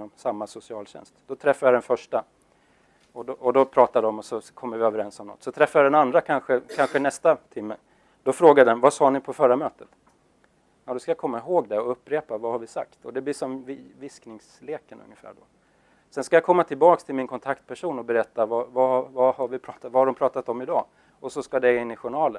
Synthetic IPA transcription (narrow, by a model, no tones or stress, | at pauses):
ɔmsamːasʊsɪɑːlɕɛ̰nst̪d̪̥ɔt̪ʰɾɛfːajad̪ɛnfœʂʈa | ɔɔɔd̪ɔpʰɾɑːt̪ad̪əɔmɔsɔkʰɔmːəɾvɪøːvəɾɛnsɔmnɔ̰t̪ːsɔt̪ʰɾɛfːajad̪ɛnand̪ɾakʰanɧəkʰanɧənɛst̪at̪ʰɪmːə | d̪̥ɔfɾoːɡad̪əɛnvasɑːnɪpʰɔfœɾamøːt̪ə̥t̪ | ɛd̪ɔskajakʰɔmːaɦoːɡd̪ɛɔɵpːɾeːpavahaɾvɪsa̰kt̪ɔd̪ɛbliːʂɔmvɪvɪsknɪŋsleːkənɵ̰ŋːəfæ̰ːɖɔ̰ | sɛnskajakʰɔmːat̪ʰɪlbɑːkst̪ʰɪlmɪnkʰɔnt̪ʰakt̪̚pʰæʂuːnɔbɛɾɛt̪ːavavavahaɾvɪpʰɾɑːt̪at̪vahaɾɖɔmpʰɾɑːt̪at̪ɔmɪd̪ɑ̰ː | ɔsɔskad̪ɛɪnːɪɧʊɳɑːlən